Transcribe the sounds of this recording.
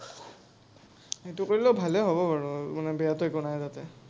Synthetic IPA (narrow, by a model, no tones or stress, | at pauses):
etukoɹilɛbʱalɛɦobɔpaɹɔmanɛbɛjatʊjkɔnajzatɛ